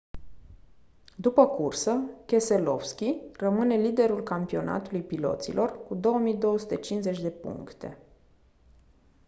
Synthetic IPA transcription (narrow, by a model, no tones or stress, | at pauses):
d̪upəkursəkʲe̞se̞lo̞̰fskʲirəmɨne̞lid̪e̞ɾulkampio̞na̰t̪ulujpilo̞̰t̪sḭlʔo̞rkud̪o̞wəmijd̪o̞woəsut̪e̞t͡ʃinze̞t͡ʃʲd̪e̞pṵŋkt̪e̞̰